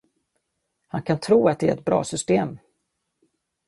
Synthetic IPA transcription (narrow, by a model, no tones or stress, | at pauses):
hankʰant̪ʰɾuːat̪̚d̪ɛæɾɛt̪̚bɾɑ̰ːsʏst̪eːm